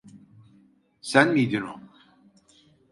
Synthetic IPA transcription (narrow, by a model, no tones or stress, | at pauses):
sænmijd̪ino